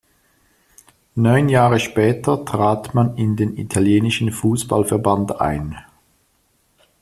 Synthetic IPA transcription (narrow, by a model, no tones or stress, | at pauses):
nɔʏnjaːʁəʃpɛːtɐtʁ̥aːtmanɪndeːnḭtʰaljeːnɪʃn̩fuːsb̥a̰lfɛɐbanda̰ɪn